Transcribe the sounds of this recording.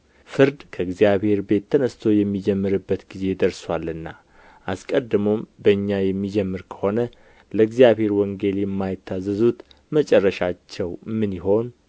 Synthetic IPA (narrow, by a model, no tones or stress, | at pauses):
fɨɾd̪kʰəɨɡzijaβhe̞ɾbe̞t̪ːənəst̪ʰo̞jɛmːid͡ʒɛmːɨɾɨbːət̪ɡize̞d̪əɾswalːɨnːa | ʔaskʼəd̪ːɨmombəɨɲːajɛmːid͡ʒɛmːɨɾkʰə̥ho̞nə | ləɡzijaβhe̞ɾwɔŋɡe̞ljɛmːajɪt̪ʰːazːəzut̪ | mət͡ʃʼɛrːəʃat͡ʃːɛwmɨnjiɦo̞n